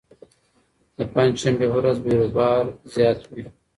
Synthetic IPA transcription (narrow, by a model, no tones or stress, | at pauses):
d̪əpãnd͡ʒʃambeɦoɾazbiɾozbɑːɾzjɑːt̪wi